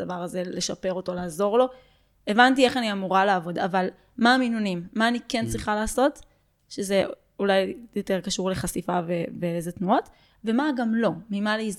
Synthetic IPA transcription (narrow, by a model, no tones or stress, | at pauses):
davaʁaze̞le̞ʃape̞ʁo̞to̞laːzo̞ʁlo̞ | e̞vantie̞χaniamuʁalaːvo̞daval | maːminunimːaːnikent͡sʁiχalaːso̞t | ʃeze | ulajjo̞te̞ʁkaʃuʁle̞χasifaveveezet̪nuo̞t | ve̞maɡamlo̞mimaleiz